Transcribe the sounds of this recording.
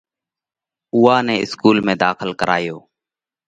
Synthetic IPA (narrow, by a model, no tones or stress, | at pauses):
uːaːnɛːɪskuːlmẽːd̪aːxəlkəɾʔa̰ːjoː